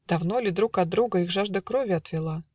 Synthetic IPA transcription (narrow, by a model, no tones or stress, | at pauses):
d̪̥ɐvno̞lʲɪd̪ɾukɐd̪ɾuɡəixʐaʐd̪əkɾovʲɪɐt̪vʲɪlˠa